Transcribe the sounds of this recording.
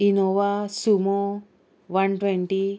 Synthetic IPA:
inoʋasumo | ʋɐnʈweɳʈi

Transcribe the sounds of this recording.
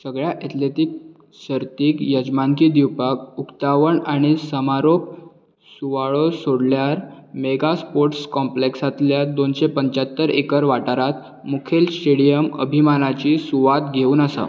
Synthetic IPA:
səɡɭjaʔet̪ʰlet̪ik̚ | ɕəɾt̪iːkjəd͡ʑmaŋkiːd̪iwpakukt̪aʋəɳaɽ̃isəmaɾop̚ | suʋaɭosoɽljaɾmeɡaspoɾʈskɔmpleksat̪ljad̪onɕepəɲt͡ɕat̪ːəɾḛkəɾʋaʈaɾat̪ | mukʰelsʈeɽijəmə̰bʱimanat͡ɕisuʋat̪ɡʱeuːnasa̰

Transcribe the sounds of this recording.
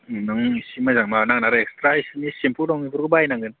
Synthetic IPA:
nɔŋisimazaŋ̚manaŋ̚naɾɛkstɾajsɯnisimpʰuldɔŋibʰuɾɡɯbajnaŋɡɯn

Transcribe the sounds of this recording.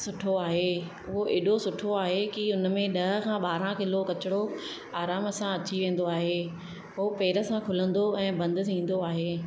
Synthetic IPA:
sʊʈʰoaːɦe | ʊɦoʔɪɗosʊʈʰoaːɦekiʊnmẽɗɐɦə̆kʰãːɓaːɾãkɪlokɐt͡ɕɪɽo | aːɾaːmɐsãɐt͡ɕiʋẽːn̆d̪oaːɦeː | ɦopeːɾə̆sãkʰʊlə̃nd̪oɛ̃ːbɐ̃nd̪̆ʱsĩːn̆d̪oaːɦeː

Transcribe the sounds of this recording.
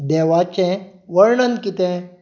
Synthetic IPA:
d̪ɛʋat͡ɕẽʋəɾɳənkit̪ẽ

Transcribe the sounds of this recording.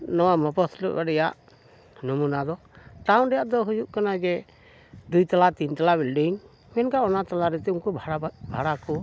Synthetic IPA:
nɔwamɔpɔsʰlɔʔbaɖɛjaʔ | nɔmunad̪ɔ | ʈawnɖɛjaʔd̪ɔɦud͡ʒuʔkanaɡɛ | d̪ujt̪alat̪int̪alabilɖiŋ | mɛnkaɔnat̪alaɾɛt̪ɛuŋkubʱbʱaɽakɔ

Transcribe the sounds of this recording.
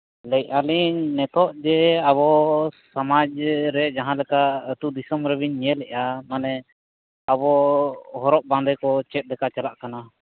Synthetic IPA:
lɛc̚aliɲnɛt̪ʰɔʔd͡ʒɛaβɔsamad͡ʒɾɛd͡ʒaɦãlɛkaət̪ud̪isɔmɾɛbiɲɲɛlɛʔamanɛ | abɔɦɔɾɔʔ̚bãnd̪ɛkɔt͡ʃɛt̪̚ˀd̪ɛkat͡ʃalaʔkana

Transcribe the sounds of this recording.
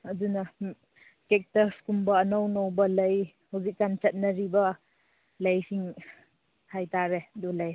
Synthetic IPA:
ɐdunɐ | kek̚tɐskumbɐːnɔwnowbɐlɐj | hawzik̚ːant͡ʃɐt̚nɐɾibɐ | lɐjsiŋ | hajtaɾedulaj

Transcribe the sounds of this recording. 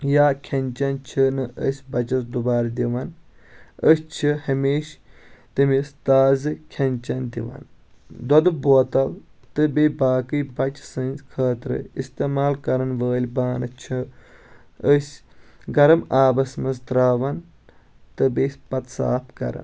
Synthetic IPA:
jaːkʲʰɐnʲt͡ʃɐnt͡ʃʰinɨʔəsʲbɐt͡ʃɐsd̪ubaːɾd̪iʋɐn | əsʲt͡ʃʰihɐmeːʃt̪ɨmist̪aːzɨkʲʰɐnʲt͡ʃɐnd̪iʋɐ̰n | d̪ɐd̪ɨboːt̪ɐlt̪ɨbebaːkɨjbɐt͡ʃsɨnʲzkʰɐːt̪ɾɨ̰ist̪emaːlkɐɾɐnʋəːlʲbaːnɨt͡ʃʰi | əsʲɡɐɾɐmaːbɐsmɐst̪ɾaːʋɐn | t̪ɨbesʲpɐt̪sa̰ːpkɐ̰ɾɐ̰n

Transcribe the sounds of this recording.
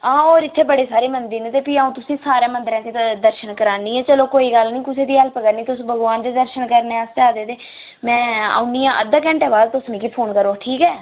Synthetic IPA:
ãːoːɾɪt̪ʰːeːbəɽeːsaːɾeːmənd̪iːnet̪eːpiːaːũːt̪ʊsĩːsaːɾãːmənd̪əɾãːt̪id̪əɾʃənkəɾaːniːɛːt͡ʃəlõːkoːiːɡəlnĩːkʊseːd̪iːəlpəkəɾnĩːt̪ʊsbʱəɡʋaːnd͡ʒ̪eːd̪əɾʃənkəɾneːast̪aːd̪eːd̪eː | mɛ̃ːa̰ːunijãːʔəd̪ək̬ɛ̃ːɳʈɛːbaːd̪t̪ʊsmĩːkiːpʰoːnkəɾoːʈʰiːkɛː

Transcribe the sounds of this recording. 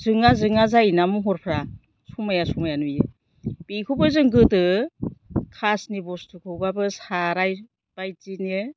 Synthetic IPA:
zɯŋazɯŋazajnamuɦɔɾpʰɾa | sumajasumajanujɯ | b̥ikʰɯwbɯzɯŋɡɯtɯ | kʰasnibɔstʰɯkʰɯwbabɯsaɾaj | b̥ajtinɯ

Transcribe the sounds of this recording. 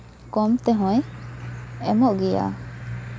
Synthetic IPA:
kɔmt̪ɛɦɔ̃j | ɛmɔʔɡija̰

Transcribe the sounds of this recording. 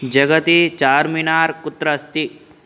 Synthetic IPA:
d͡ʒɐɡət̪it͡ʃaːɾminaːɾkʊt̪ːɾɐst̪i

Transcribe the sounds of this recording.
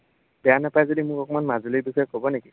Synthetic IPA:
bɛjanapajzodimʊkɔkɔmanmazulojbixɔjkʰɔbɔneki

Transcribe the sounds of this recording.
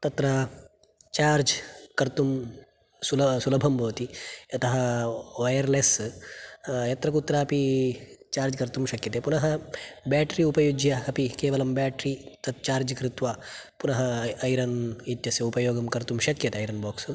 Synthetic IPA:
t̪ɐt̪ɾɐ | t͡ʃaːɾd͡ʒkɐɾt̪um | sulɐsulɐbʱɐmbɐʋɐt̪iɐt̪ɐɦɐ̆ʋɐjɐɾleːs | jɐt̪ɾɐkut̪ːɾaːɐpit͡ʃaːɾd͡ʒkɐɾt̪umʃɐkjɐt̪epunɐɦɐ̆baːʈɾiupɐjud͡ʒjɐɐpikeːʋɐlɐmbaːʈɾit̪ɐt̪̚t͡ʃaːɾd͡ʒɐkɾit̪ʋaːpunɐɦɐːjɾɐnit̪jɐsjɐupɐjoːɡɐmkɐɾt̪umʃɐkjɐt̪eɐjɾɐnboːks

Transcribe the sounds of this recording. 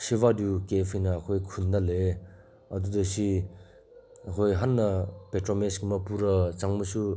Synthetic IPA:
siβadukepʰijnɐːkʰojkʰundale | ɐdudɐsi | ɐkʰojɦanːɐpetɾomeskimɐpuɾɐt͡ʃaŋmusu

